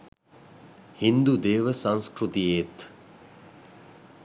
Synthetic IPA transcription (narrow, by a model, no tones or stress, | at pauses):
hind̪ud̪eːʋəsãŋskɾut̪ijeːt̪